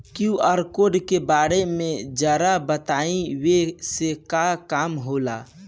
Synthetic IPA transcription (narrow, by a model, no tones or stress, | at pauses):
kjũəɾkoɖkebaːɾemẽd͡ʒəːɾabət̪aːĩwesekakaːmɦola̰